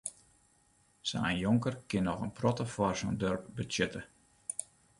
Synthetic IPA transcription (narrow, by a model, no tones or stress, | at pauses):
sa̰ːnjoŋkərkɪnɔxənprɔtəfɔrsondørpbytsɛtə